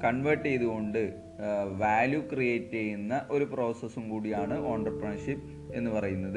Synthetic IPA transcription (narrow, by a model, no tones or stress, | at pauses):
kɐɳʋɐrʈːejðuɣo̞ɳɖɨ | ʋaːljukrijeːtːejunːɐʔo̞ɾupro̞ːsɐsumkuːɽijaːɳɨoːɳɖrɐprɐɳɐʂipː | e̞nːɨpɐrɐjunːɐðɨ